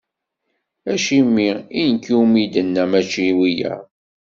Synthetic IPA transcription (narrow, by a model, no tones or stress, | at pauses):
æʃimːiinkːuwmid̪ənːæmæt͡ʃːiwijæ̰